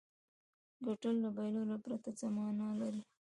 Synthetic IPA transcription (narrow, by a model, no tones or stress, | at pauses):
ɡoʈəlːabajlolapɾat̪azamɑnalaɾi